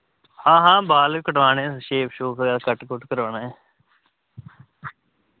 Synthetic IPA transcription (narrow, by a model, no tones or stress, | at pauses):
hãːɦãːbaːlkəʈʋaːnẽːʃeːpʰʃoːkaːlkəʈkʊʈkəɾaːnaː